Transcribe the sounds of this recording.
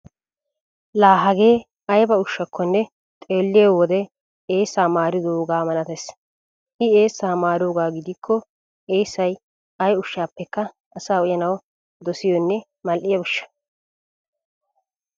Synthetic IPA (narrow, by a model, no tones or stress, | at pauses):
laːɦɐɡe̞ː | ɐjbɐʊʃːɐkʰːɔnːɛ | t̪ʼe̞ːlːɪjewɔd̪ɛ | eːsːaːmaːɾɪd̪oːɡaːmɐnɐt̪es | ʔɪeːsːaːmaːɾoːɡaːɡɪd̪ɪkʰːɔ | eːsːɐj | ɐjʊʃːaːpːɛkːɐ | ɐsaːɔjɐnɐw | d̪ɔsɪjɔnːɛ | mɐlʔɪjɐbʊʃːɐ̥